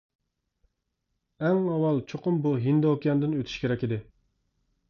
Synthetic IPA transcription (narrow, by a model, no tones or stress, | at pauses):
ɛŋɑwɑlˠt͡ʃʰoqʊmbuɦind̪okʲijɑnd̪ɨnøt̪ʰy̥ʃkʲʰeɾɛkʲid̪ɪ